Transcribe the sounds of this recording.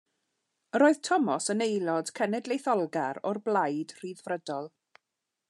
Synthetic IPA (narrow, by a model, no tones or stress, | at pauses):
ɾoːɨð̥tʰɔmɔsənejlˠɔd̥kʰɛnɛdlejθɔlˠɡaɾɔrblˠajd̥r̥iːðvrədɔlˠ